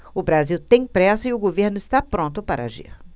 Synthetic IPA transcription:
ʊbɾaziwt̪ẽj̃pɾɛsɐɪʊɡoveɾnʊɪst̪apɾõnt̪ʊpaɾɐa̰ʒḭɾ

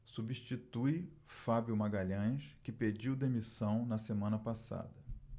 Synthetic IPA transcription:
subiʃt͡ʃit̪uj | fabjʊmaɡaʎɐ̃jskɪped͡ʒiwd̪emisɐ̃w̃nɐsemɐ̃nɐpasa̰d̪ɐ

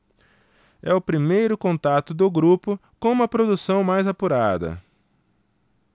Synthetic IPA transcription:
ɛʊpɾimejɾʊkõnt̪at̪ʊd̪ʊɡɾupʊkõũmɐpɾod̪usɐ̃w̃majzapuɾad̪ɐ̰

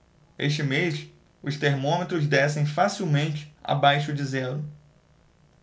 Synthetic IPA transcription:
eʃt͡ʃɪmeʃ | ʊst̪eɾmõmet̪ɾʊzd̪ɛsẽj̃fasiwmẽnt͡ʃɪ̥a̰bajʃʊd͡ʒɪzɛlʊ

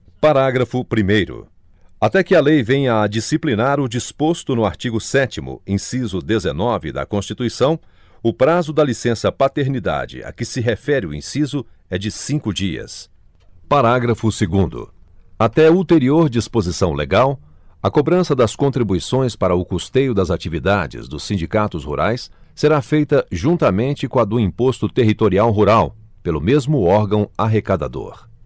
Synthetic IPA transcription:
paɾaɡɾɐfʊpɾimejɾʊ̰ | at̪ɛkɪɐlejvẽj̃ɐd͡ʒisiplinaɾʊd͡ʒispost̪ʊnʊaɾt͡ʃiɡʊsɛt͡ʃimʊ̰ĩsizʊd̪ezḛnɔvɪ̰d̪ɐ̰kõst͡ʃit̪uisɐ̃w̃ | ʊpɾazʊd̪ɐlisẽsɐpat̪eɾnid̪a̰d͡ʒɪ̰ɐ̰kɪsɪɦefɛɾɪʊḭ̃sizʊ | ɛd͡ʒɪsĩkʊd͡ʒiɐ̰s | paɾaɡɾɐfʊseɡũnd̪ʊ̰at̪ɛult̪eɾioɾd͡ʒispozisɐ̃w̃lḛɡaw | ɐkobɾɐ̃sɐd̪ɐskõnt̪ɾibuisõj̃spaɾɐʊkost̪ejʊd̪ɐzat͡ʃivid̪ad͡ʒɪ̰zd̪ʊsːĩnd͡ʒikat̪ʊshṵɾʔajsː | eɾafejt̪ɐʒũnt̪ɐmẽnt͡ʃɪkõɐd̪ʊĩpost̪ʊt̪eɦit̪oɾiawɦuɾaw | pelʊmezmʊɔɾɡɐ̃w̃aɦekad̪a̰d̪o̰ɾ

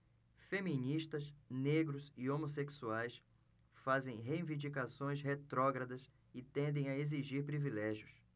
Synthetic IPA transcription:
femĩniʃt̪ɐsneɡɾʊzɪomoseksuajs | fazẽj̃ɦeĩvĩnd͡ʒikasõj̃sɦet̪ɾɔɡɾɐd̪ɐs | ɪt̪ẽnd̪ẽj̃ɐeziʒiɾpɾivilɛʒjʊs

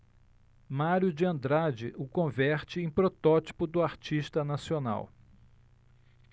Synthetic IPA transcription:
maɾjʊd͡ʒɪɐ̃nd̪ɾad͡ʒɪʔʊkõvɛɾt͡ʃɪẽj̃pɾot̪ɔt͡ʃi̥pʊd̪ʊaɾt͡ʃiʃt̪ɐnasiona̰w

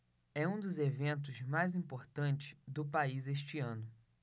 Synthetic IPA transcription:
ɛũd̪ʊzevẽnt̪̬ʊzmajzĩpoɾt̪ɐ̃nt͡ʃɪ̥sd̪ʊpaizeʃ̬t͡ʃɪɐ̃nʊ

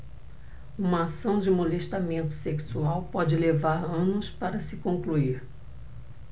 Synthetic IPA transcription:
ũmɐasɐ̃w̃d͡ʒɪmoleʃt̪amẽnt̪ʊ̥seksuawpɔd͡ʒɪlevaɾɐ̃nʊspaɾɐsɪkõŋkluiɾ

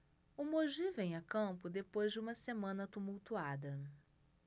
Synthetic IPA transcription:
ʊmoʒivẽj̃akɐ̃pʊd̪epojzd͡ʒɪũmɐsemɐ̃nɐt̪umuwt̪uad̪ɐ

